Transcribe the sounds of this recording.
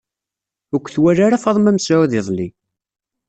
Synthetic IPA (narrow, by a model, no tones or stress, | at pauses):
əkʷːθwæɾaɾafɑðˤmæmsaðɪðˤli